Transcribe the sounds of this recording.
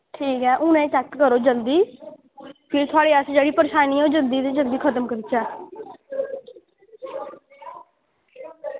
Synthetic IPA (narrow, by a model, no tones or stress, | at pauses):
ʈʰiːkɦɛːʔʊnẽːt͡ʃɛkkəɾoːd͡ʒəld̪iː | pʰɪɾt̪ʰʊaːɽeːəsd͡ʒeːɽiːpəɾeːʃaːniːoːd͡ʒənd̪iːt̪eːd͡ʒəld̪iːkʰət̪əmkəɾiːt͡ʃɛː